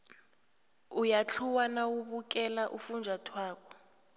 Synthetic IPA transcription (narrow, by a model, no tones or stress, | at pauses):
ujat͡ɬʰuwanawuɓuk̬ʼɛlaʔufund͡ʒʱatʰwaːkɔ̥